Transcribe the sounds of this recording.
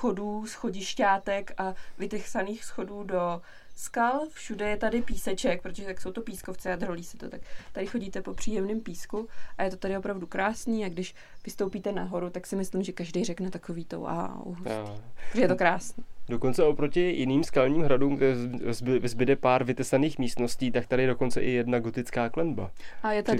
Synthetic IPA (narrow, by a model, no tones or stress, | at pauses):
xoduːsxoɟɪʃcaːt̪ɛkavɪt̪ɛxsaniːxsxo̞duːdo̞ | skalfʃudɛjɛt̪adɪpiːsɛt͡ʃɛk̚pɾot̪oʒɛt̪akso̞wt̪o̞piːsko̞ft͡sɛad̪roliːsɛ̥t̪ot̪akt̪adɪxo̞ɟiːt̪ɛpo̞pr̝̥iːjɛmnɪmpiːskuʔajɛt̪o̞t̪adɪopɾavdukɾʔaːsɲiːaɡdɪʃ | vɪst̪owpiːt̪ɛnaɦo̞ɾut̪aksɪmɪslɪmʒɛkaʒdɛjrɛknɛt̪akoviːt̪o̰wʔa̰ṵɦost̪ːɾoʒɛjɛt̪okɾaːsniːdokont͡sɛʔopɾocɪjɪniːmskalɲiːmɦɾaduːmzvɛzbɪdɛpaːɾvɪt̪ɛsaniːxmiːst̪no̞sciːt̪ak̚t̪adɪjɛdo̞ko̞nt͡sɛʔɪjɛdnaɡot̪ɪt͡skaːklɛnbaʔajɛt̪aɪ